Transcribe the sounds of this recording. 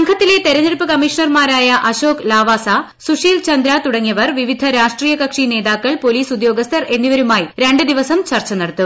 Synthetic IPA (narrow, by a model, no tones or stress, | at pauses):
ɐŋɡʰʱɐt̪ːile̞t̪e̞ɾɐniɽupːɨkɐmiʂɐɳɐrmaːɾaːjɐʔɐɕoːklaːʋaːsa | suʂiːlt͡ɕɐnd̪ɾat̪uɽɐŋːijɐʋɐrʋiʋid̪ʱɐɾaːʂʈriːjɐkɐkʂine̞ːðaːkːɐɭpo̞liːsud̪jo̞ːɡɐst̪ʰɐre̞nːiʋɐɾumaːjiɾe̞ɳɖɨd̪iʋɐsɐmt͡ɕɐrt͡ɕːɐnɐɽɐt̪ːu